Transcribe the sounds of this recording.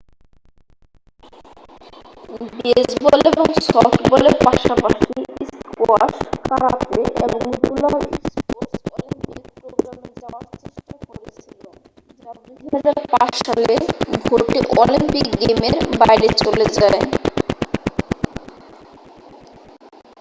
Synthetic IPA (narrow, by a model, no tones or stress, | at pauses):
besboleboŋsɔʈbɔleɾpaʃapaʃiskoaʃkaɾat̪eḛboŋɡulaiskoɾsmpikpɾoɡɾamed͡ʑaat͡ɕeʃʈakoɾet͡ɕʰilen | d͡ʑad̪ujɦad͡ʑaɾpaʃʃaleɡʱoɾʈiʔɔ̰limpikɡemeɾbajɾet͡ɕoled͡ʑae